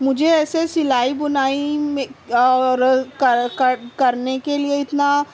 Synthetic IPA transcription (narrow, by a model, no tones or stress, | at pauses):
mʊd͡ʒʱeɛːsesɪlaːibʊnaːimeɔɾkɐkɐkɐɾnekelieɪt̪na